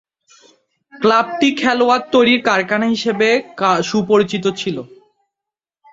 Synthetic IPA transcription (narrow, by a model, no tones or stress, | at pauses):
klab̚ʈikʰɛloaɾt̪ːojɾiɾkaɾkanaɦiʃebekaʃupoɾit͡ɕit̪ot͡ɕʰilo